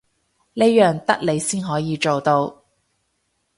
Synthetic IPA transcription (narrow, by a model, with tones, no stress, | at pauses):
le˥jœː˨ŋt̪ɐ˥k̚le˨˧jsiː˥nɦɔː˨˥jiː˨˧t͡ʃo˨wt̪o˧w